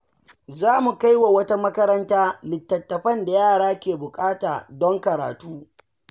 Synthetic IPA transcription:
zaː˦mu˨ka˦jwa˨wɐ˦ta˦mɐ˦kɐ˦ɾɐ˦ntaː˦lɪ˨tːɐ˨tːɐ˨ɸɐ˦nda˨jaː˦˨ɽaː˦kʲeː˨bʊ˨kʼaː˦taː˨dɔ˦ŋkɐ˨ɾa̰ː˨tuː˦

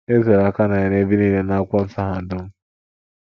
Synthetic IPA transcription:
e˦ze˨ɾa˨˦˨ka˦na˨a˨ne˦bi˦ni˦le˦na˦a˦kʷɔ˦n̩˦sa˦ɦa˨dʊ˦m̩˦

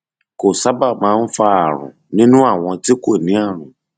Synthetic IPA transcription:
ko˨sa˨˦ba˦˨mãː˦˧˦n̩˦fa˧a˨ɾ̃ṵ̃˨nĩ˦nũ˦a˦˨w̃ɔ̃˧ti˦ko˦˨nĩ˨˦a˦˨ɾ̃ũ˨

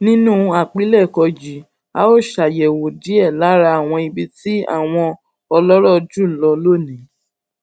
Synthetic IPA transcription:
nĩ˦nũ˦a˨k͡pi˨˦lɛ˦˨kɔ˧d͡ʒi˨˦ | a̰˦o˦˨ʃa˨jɛ˨wo˨di˨˦ɛ˦˨la˨˦ɾa˧a˦˨w̃ɔ̃˧i˧bi˧ti˦a̰˦˨w̃ɔ̃˧ | ɔ˧lɔ˦ɾɔ˦˨d͡ʒu˦˨lɔ˧lo˦˨nĩ˨˦

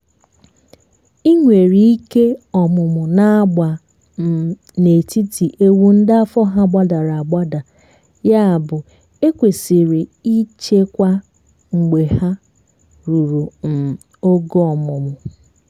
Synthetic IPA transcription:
i˦ŋʷe˨ɾi˦i˦ke˦ɔ˨mʊ˨mʊ˨na˦a˦ɡ͡ba˨ | ne˨ti˦ti˨ʔe˦wu˦n̩˦da˦fɔ˦ɦa˦ɡ͡ba˦da˨ɾa˨a˨ɡ͡ba˦da˨ | ja˦a˨bʊ˨ | e˦kʷe˨si˨ɾi˨i˦t͡ʃe˦kʷa˦ | ŋ͡m̩˨ɡ͡be˨ha˦ | ɾu˨ɾu˨m̩˨ | o˦ɡo˦ɔ˨mʊ˨mʊ˨

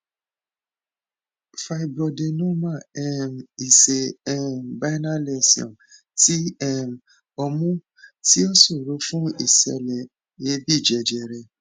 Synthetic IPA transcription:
fa˧i˨bɔ˧de˧nũ˦mã˦ɛ˦˨m˨i˨se˨ɛ˦˨m˨ba˦na˦le˧˨si˨ɔ̰̃˨ | ti˦ɛ˦˨m̩˨ | ɔ˧mũ˦ | ti˦o˦so˦˨ɾo˨˦fũ˦ḭ˦˨sɛ̰˧lɛ˨ | je˧˦bi˦˨d͡ʒɛ˧˨d͡ʒɛ˨ɾɛ˧˨

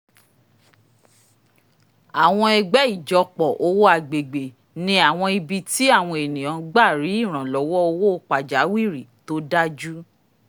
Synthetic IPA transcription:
a˨w̃ɔ̃˧ɛ˧ɡ͡bɛ˨˦i˦˨d͡ʒɔ˨˧k͡pɔ˨ʔo˧wo˦a˧˨ɡ͡be˨ɡ͡be˨ | nĩ˧˦a˨w̃ɔ̃˧i˧bi˧ti˦a˦˨w̃ɔ̃˧e˨nĩ˨j̃ã˨˦ɡ͡ba˦˨ɾi˨˦i˦˨ɾ̃ã˨lɔ˨˦wɔ˦o˧wo˦o˧k͡pa˨d͡ʒa˨˦wi˦˨ɾi˨to˦da˦d͡ʒu˦

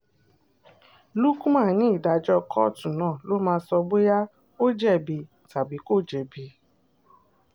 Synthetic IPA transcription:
lu˦kũ˦ma˦˨nĩ˦i˦˨da˨˧d͡ʒɔ˦kʰɔ˦˨tũ˨nãː˦˨lo˨˦mãː˧˦sɔ˧ɡ͡be˦ja˦ | o˦d͡ʒɛ˦˨bi˨˧ | ta˨bi˨˦ko˦˨d͡ʒɛ˨bi˨˦

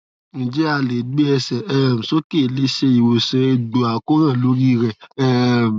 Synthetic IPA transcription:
nĩ˨d͡ʒɛ˦a˧˨le˨ɡ͡be˦ɛ˧sɛ˨ɛ˦˨m̩˨so˦ke˦˨le˦ʃe˧i˨wo˨sɛ˨˧˦do˨a˨ko˦ɾ̃ã˦˨lo˦ɾi˦ɾɛ˦˨ɛ˦

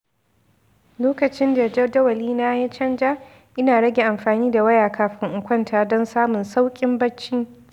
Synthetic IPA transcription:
loː˦kɐ˨t͡ʃɪ˦nda˨d͡ʒɐ˦rdɐ˦wɐ˨liː˦na˦ja˦t͡ʃɐ˦nd͡ʒa˦ | ʔɪ˦naː˨ɽɐ˦ɡʲe˨ʔa˨mɸaː˨niː˦da˨wɐ˦jaː˨kʰaː˨ɸɪ˦ŋʔʊ˨kʷɐ˦ntʰaː˨dɔ˦nsaː˦mʊ˨nsa˦wkʲʼɪ˦mbɐ˦t͡ʃːiː˦

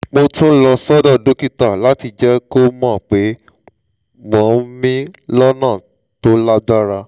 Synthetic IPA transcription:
mo˧tũ˦lɔ˧sɔ˦dɔ˦˨do˨˦ki˦ta˨la˨˦ti˧d͡ʒɛ˦ko˦mɔ̃ː˦˨k͡pe˨˦ | mɔ̃˨˦mĩ˦lɔ˦nã˦˨ | to˦la˦ɡ͡ba˦ɾa˧

